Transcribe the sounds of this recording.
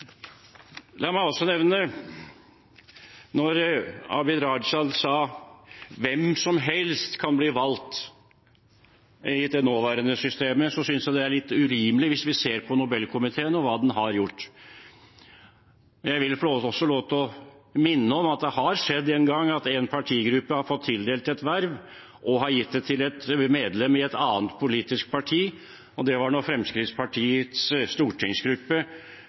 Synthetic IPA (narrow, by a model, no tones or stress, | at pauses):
lɑːmæɪɔsːɔnɛʋnə | nɔɾɑ̰ːbɪd̪ɾɑɖʂɑnsɑː | ʋɛmsɔmɦɛlst̪kʰɑnbliːʋɑlt̪ | ɪd̪ɛnoːʋæːɾənəsʏst̪eːməsɔsʏnsjæɪd̪ɛæɾɭɪt̪ːʉɾiːməlɪʋɪsʋɪseːɾpʰɔnʊbɛlkʰʊmɪt̪ʰeːənɔʋɑːd̪ɛnɦɑɾjʊʈː | mɛnjæɪʋɪlfɔloːt̪ɔsːɔloːt̪ɔmɪnːəɔmɑt̪̚d̪ɛhɑɾʂɛd̪ːɛnɡɑŋːɑt̪ɛnpʰɑʈʰiːɡɾʉpːəhɑɾfɔt̪ʰːɪld̪eːlt̪ɛt̪ʋæɾʋ | ʔɔɦɑɾjɪt̪ːd̪ɛt̪ʰɪlɛt̪meːd̪lɛmːɪɛt̪ɑːnt̪pʰʊliːt̪ɪsk̚pʰɑʈʰiː | ɔd̪ɛʋɑɳɔfɾɛmskɾɪt̪spʰɑʈʰiːət̪sst̪uːʈʰɪŋsɡɾʉpːə